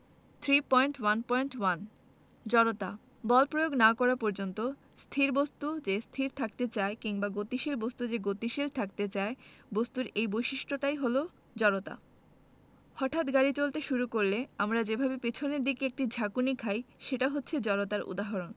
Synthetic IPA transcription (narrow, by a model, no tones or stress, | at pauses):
t̪ʰɾipɔjɳʈwanpɔjɳʈwan | d͡ʑɔɾot̪a | bɔlpɾojoɡnakɔɾapɔɾd͡ʑont̪o | st̪ʰiɾbost̪ud͡ʑest̪ʰiɾt̪ʰakt̪et͡ɕaekiŋbaɡot̪iʃilbost̪ud͡ʑeɡot̪iʃilt̪ʰak̚t̪et͡ɕaebost̪uɾejbojʃiʃʈʰoʈajɦolo | d͡ʑɔɾot̪a̰ | hɔʈʰat̪ɡaɾit͡ɕolt̪eʃuɾukoɾleamɾad͡ʑebʱabepet͡ɕʰoneɾd̪ikeek̚ʈid͡ʑʱakunikʰajʃeʈaɦotːɕʰed͡ʑɔɾot̪aɾṵd̪aɦɔɾon